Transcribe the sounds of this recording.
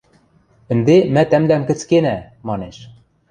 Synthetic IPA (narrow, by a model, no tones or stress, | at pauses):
ɘ̆nd̪emæt̪æmd̪æmkɘ̆t͡skenæ | mɑneʃ